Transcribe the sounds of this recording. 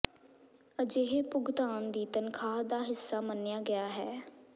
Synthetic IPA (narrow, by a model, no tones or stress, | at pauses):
əd͡ʒeːɦeːpʊɡd̪aːnd̪iːt̪ənkʰaːɦd̪aːɦɪsːaːmənːejaːɡɪjaːɦɛː